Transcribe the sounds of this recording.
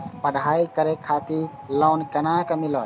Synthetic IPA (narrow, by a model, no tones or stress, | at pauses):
pəɽ̤ʱaikəɾekʰːat̪iɾ | lɔnkenakemilɔ